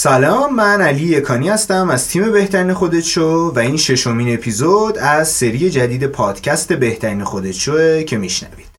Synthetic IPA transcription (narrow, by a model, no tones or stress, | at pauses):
sælɒmːænæliːjekʰɒːnihæst̪æmæz̥t̪ʰiːme̞be̞ht̪ʰæɾiːnexod̪e̞t̪t͡ʃovæinʃe̞ʃo̞miːne̞pʰiːzod̪æzse̞ɾije̞d͡ʒæd̪iːd̪e̞pʰɒːd̪̥cʰæst̪e̞be̞ht̪ʰæɾiːnexod̪e̞t̪ʰt͡ʃoecʰe̞miʃnæ̰vi̥̰ːd̪̥